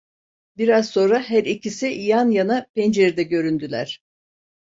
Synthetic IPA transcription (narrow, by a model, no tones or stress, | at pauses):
biɾazso̞nɾaɦæɾicʰisiʔijanjanapɛnd͡ʒeɾid̪ɛɟø̞ɾynd̪ylʲæ̰ɾ̥